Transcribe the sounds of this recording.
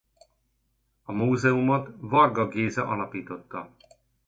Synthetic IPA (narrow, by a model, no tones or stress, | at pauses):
ɒmuːzɛumot̪vɒrɡɒɡeːzɛʔɒlɒpiːt̪o̞t̪ːɒ